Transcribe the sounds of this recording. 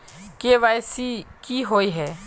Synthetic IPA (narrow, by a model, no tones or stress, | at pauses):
keːʋaːjsikiːɦoːiɦɛː